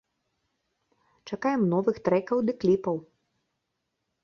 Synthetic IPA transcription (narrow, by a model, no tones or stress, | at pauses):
t͡ʂakajɛmnɔvɨxt̪ɾɛkɐwd̪ɐklʲipɐw